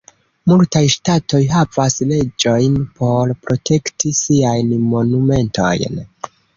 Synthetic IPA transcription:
multajʃtato̞jɦavasle̞d͡ʒo̞jnpʰo̞ɾpɾo̞tʰe̞ktʰisiajnmo̞nume̞ntʰo̞̰jn

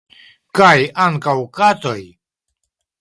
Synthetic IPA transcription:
kajaŋkawkat̪o̞j

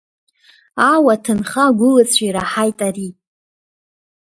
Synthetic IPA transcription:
awatʰɨnχaɡʷʊlɨt͡sʷʰiɾaħajtʼari

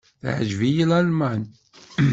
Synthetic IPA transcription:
θʕəʒvijilælman

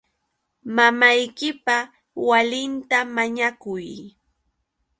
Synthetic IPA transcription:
mamajkɪpa | walɪnt̪amaɲakʊj

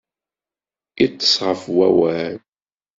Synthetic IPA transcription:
it͡sːə̥sʁəfwæwæl

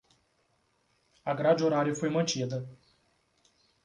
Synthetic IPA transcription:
aɡɾad͡ʒɪoɾaɾjʊfojmɐ̃nt͡ʃid̪ɐ

